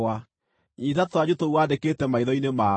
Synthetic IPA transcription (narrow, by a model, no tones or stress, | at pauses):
a | ɲitatwad͡ʑutouwadeketɛmaiðɔinema